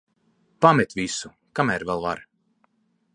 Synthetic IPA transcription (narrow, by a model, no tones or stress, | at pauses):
pamɛt̪ʲvisu | kamæːɾvɛlˠvaɾ